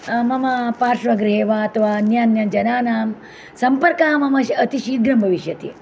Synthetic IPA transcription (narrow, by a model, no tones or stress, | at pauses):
mɐmɐpaːɾʃʋɐɡɾɦeːʋaɐt̪ɐʋaːnjaːnjɐnd͡ʒɐnaːnaːm | sɐmpɐɾkaːmɐmɐʃiɐt̪iʃiːt̪̚ɡɾɐmbʱɐʋiʃjɐt̪ḭ